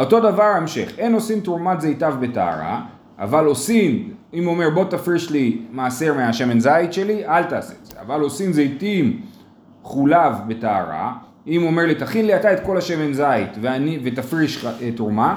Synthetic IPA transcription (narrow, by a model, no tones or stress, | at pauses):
o̞to̞davaʁaemʃe̞χe̞no̞simt̪uʁmat̪zejtavbe̞ta̰a̰ʁa̰ | a̰valo̞simimo̞me̞ʁbo̞t̪afʁiʃlimaːseʁmeaʃemenzajit̪ʃe̞liʔalt̪aːsez̥ea̰valo̞simzejtim | χulavbe̞ta̰ːʁa̰ | imo̞me̞ʁlit̪aχinliat̪ae̞t̪ko̞laʃemenzait̪veanivet̪afʁiʃetoʁma